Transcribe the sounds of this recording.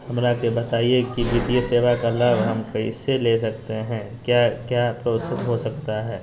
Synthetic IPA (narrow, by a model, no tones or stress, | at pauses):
hɐmɾakebɐt̪aːiekibɪːt̪ijeseːʋakalabɦɐmkɐḭseleːs̬ɐkt̪eɦɛ̃ | kjaːkjaːpɾoːsəsɦosɐkt̪aɦɛː